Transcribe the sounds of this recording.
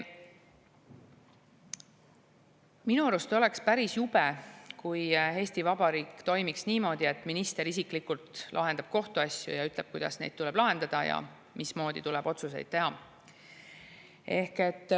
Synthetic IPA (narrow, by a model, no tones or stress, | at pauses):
minuɑɾust̪o̞le̞kspæɾisjub̥ekujhe̞ːst̪ivɑbɑɾiːkːt̪o̞jmiksniːmo̞ːd̪̥ie̞t̪ːˑminist̪e̞ɾisiklikult̪lʔɑ̰ɦe̞nd̪ɑb̥̚ko̞ht̪uɑsʲjṵjɑyt̪ˑlɛb̥̚kujd̪̥ɑsne̞̰jd̪̚t̪ulɛb̥lɑɦe̞nd̪̥ɑd̪̥ɑjɑ̰ | mismo̞ːd̪̥it̪ulɛb̥o̞t̪suse̞̰jd̥̪̚t̪e̞ɦɑ | ʔe̞hke̞t̪ː